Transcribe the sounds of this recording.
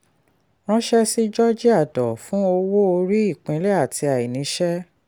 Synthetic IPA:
ɾ̃ɔ̃˦ʃɛ˦si˦d͡ʒɔ˦d͡ʒi˦a˦˨dɔ˨fũ˦o˧wo˦o˧ɾi˦i˦˨k͡pẽ˨˧˦lɛ˦a˦˨tʰi˧a˨i˨nĩ˨˦ʃɛ˦

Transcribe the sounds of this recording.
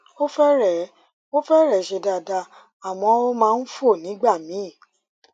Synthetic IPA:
o˦fɛ˦ɾɛ˨ | o˦fɛ˦ɾɛ˨ʃe˧da˨da˨˧ | a˨w̃ɔ̃˨˦mãː˦˧n̩˦fu˦o˦˨nĩ˨˦ɡ͡ba˦˨mĩ˨˦˨

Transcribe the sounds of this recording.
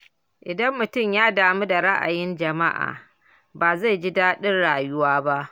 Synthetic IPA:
ʔɪ˨dɐ˦mːʊ˨tʊ˦˨mjaː˦daː˨mu˦da˨ɽa˦ʔa̰˨jɪ˦nd͡ʒɐ˨ma˦ʔa̰ː˨ | baː˨za˦˨jɡɪ˦daː˦ɗɪ˦nɽaː˨jʊ˦waː˦ba˦ʔ

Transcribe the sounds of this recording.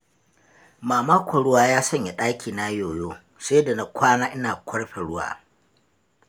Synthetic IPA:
maː˨maː˦kʷɐ˨ɽʊ˦waː˦jaː˦sɐ˦ɲja˨ɗaː˦kʲʰiː˨na˦joː˨joː˦ | se˦da˨na˨kʷʰaː˦naː˦ʔɪ˦naː˨kʷɐ˦ɽɸe˨ɽʊ˦wa̰ː˦

